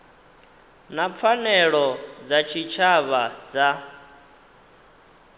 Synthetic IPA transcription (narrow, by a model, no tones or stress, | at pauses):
nap̪fʰanɛɺɔd͡zat͡ʃʰit͡ʃʰaβad͡za